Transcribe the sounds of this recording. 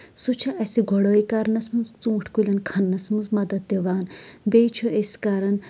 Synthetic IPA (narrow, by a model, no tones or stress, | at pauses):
sut͡ʃʰɐʔɐsiɡʱɔɽoːikɐɾnɐsmɐnzt͡sũːʈʰkulʲɐnkʰɐnːɐsmɐnzmɐd̪ɐt̪̚d̪eʋaːnbeːjt͡ʃʰoʔeskaːɾɐn